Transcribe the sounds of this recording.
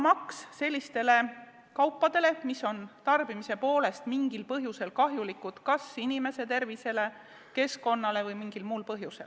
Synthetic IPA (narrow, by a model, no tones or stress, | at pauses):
mɑksːe̞lʲːist̪e̞le̞ | kɑwpːɑd̪e̞le̞miso̞nt̪ɑrb̥imise̞po̞ːle̞st̪miŋɡ̥ilpɤɦjuse̞lkɑɦjulikːˑud̪̥kɑsinime̞se̞t̪e̞rvise̞le̞ | ke̞sko̞nːɑle̞vɤjmiŋɡ̥ilmuːlpɤɦjuse̞l